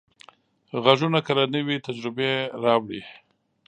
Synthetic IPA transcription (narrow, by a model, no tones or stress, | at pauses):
ɣaʒunakalanəwit̪ad͡ʒɾɪbeɾɑwɽi